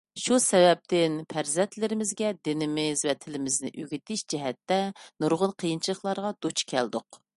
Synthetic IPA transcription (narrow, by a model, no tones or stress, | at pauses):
ʃusɛvɛp̚t̪ʰɪnpʰæɾzɛnt̪ʰlɪɾɪmɪzɡʲɛd̪ɪnɪmɪzvɛt̪ʰɪlɪmɪznɪ̰ʔøɡʲit̪ʰɪʃd͡ʒɛɦɛt̪ːɛnuɾʁʊnqʰəjint͡ʃʰilˠəχlˠɑɾʁɑd̪̥ot͡ʃkʲʰɛ̰ld̪ʊq